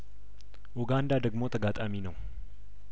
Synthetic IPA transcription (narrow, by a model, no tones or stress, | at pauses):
ʔuɡand̪ad̪əɡmo̞t̪ʰəɡat̪ʼaminəw